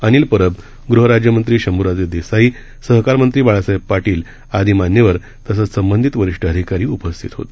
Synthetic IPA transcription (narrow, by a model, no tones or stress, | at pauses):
əñiːlpəɾəb | ɡɾuɦəɾad͡ʑjəmənt̪ɾiːɕəmuɾad͡zed̪esai | səɦkaɾmənt̪ɾiːbaɭasəjpːaʈiːl | ad̪ʱiːmanjəʋəɾ | t̪əsət͡ssəmbənd̪ʱit̪ʋəɾiʂʈəɦəd̪ʱikaɾiːupəst̪ʰit̪ɦo̰t̪